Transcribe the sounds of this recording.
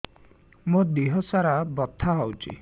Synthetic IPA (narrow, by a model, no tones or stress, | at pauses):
mud̪iɦɔsaɾabɔt̪ʰːaɦɔwt͡ʃʰḭ